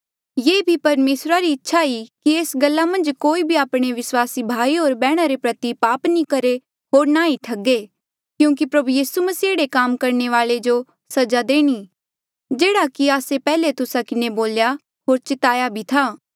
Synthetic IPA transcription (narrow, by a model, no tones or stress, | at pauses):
jeːbʱipɐɾmeːsɾaɾiɪtːʃʰaikieːsɡɐlːamɐ̃nd͡ʒkoːibʱiaːpɽ̃eʋɪswaːsibʱaːiɦoːɾbɛːɽ̃aɾepɾɐt̪ipaːpnĩkɐɾe | ɦoːɾnaːiʈʰɐɡe | kjũːk̬ipɾɐbujiːsumɐsiːeːɽekaːmkɐɾneʋaːled͡ʒo | sɐd͡ʒad̪eːɽ̃i | d͡ʒeːɽakiaːsepɛːlet̪ʊsakɪneboːlja | ɦoːɾt͡ʃɪt̪aːjabʱit̪ʰaː